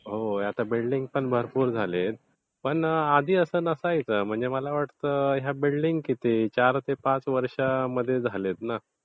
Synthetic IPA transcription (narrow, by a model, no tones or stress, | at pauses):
ɦojat̪abilɖiŋɡ̚pəɳbʱəɾpuːɾd͡zʱalet̪̚ | pəɳad̪ʱiːəsəːnəsəajt͡səːm̤əɳd͡zeməlaʋaʈt̪əɦjabilɖiŋɡkit̪it͡ɕaɾt̪epãt͡sʋəɾʂaməd̪ʱːjed͡zʱalet̪na